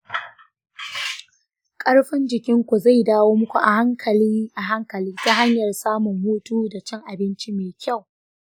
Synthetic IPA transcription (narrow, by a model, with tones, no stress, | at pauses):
kʼɐ˦ɽɸɪ˦nd͡ʒɪ˨kʲɪ˦ŋkʷu˨za˦˨jdaː˦woː˦mʊ˦kʷu˨ʔa˨ha˦ŋkʰɐ˨liː˦ʔa˨ɦa˦ŋkɐ˨liː˦ta˦ɦa˦ɲjɐ˨rsaː˦mʊ˨ŋːoː˦tuː˦da˨t͡ʃɐ˦ŋʔa˨bɪ˦nt͡ʃi˦meː˨kʲa˦˨w